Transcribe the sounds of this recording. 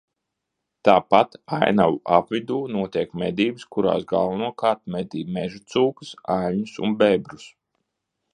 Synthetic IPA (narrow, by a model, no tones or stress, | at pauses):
t̪aːpat̪ajnawapvid̪uːnuɔt̪ʲiɛkmɛd̪iːbɨskuɾa̰ːsɡa̰lˠvanuɔkaːɾt̪̚mɛd̪iːmɛʒut̪suːkɨ̥sajlʲɲusṵnbɛbɾus